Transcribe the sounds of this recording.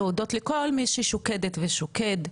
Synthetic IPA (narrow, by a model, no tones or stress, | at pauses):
udotlekolmiʃiʃokedetveʃoked̪